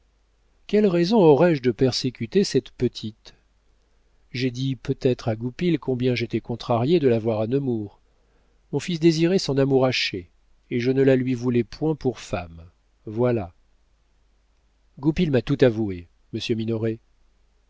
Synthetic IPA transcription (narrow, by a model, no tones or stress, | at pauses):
kʲɛlʁɛzɔ̃ɔʁɛʒd̪əpɛʁsekʲyt̪esɛt̪pət̪ʰit̪ | ʒed̪ipøt̪ɛt̪χaɡupilkɔ̃bjɛ̃ʒet̪ɛkɔ̃t̪χaʁjed̪əlavwaʁanəmuʁ | mɔ̃fisd̪eziʁɛsɔ̃namuʁaʃe | eʒənəlalɥivulɛpʰwɛ̃puʁfam | vwala | ɡupilmat̪ut̪avue | məsjøminɔʁe